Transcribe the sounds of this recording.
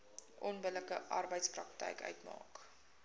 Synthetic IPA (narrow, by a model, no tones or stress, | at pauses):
ʔɔnbələkəʔɐrbəjtsprɐk̚tɛ̰jkœ̰ɥtmɑ̰ːk